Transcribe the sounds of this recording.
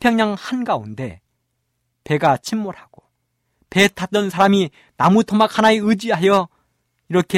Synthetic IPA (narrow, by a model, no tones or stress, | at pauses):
pʰjʌŋɲaŋhanɡaunde̞̰ | pe̞ɡat͡ɕʰimːoɾhaɡ̥o | pe̞tʰat͈ʌnsʰaɾami | namutʰomak̚hʰanaeɯd͡ʑiɦajʌ | iɾʌkʰe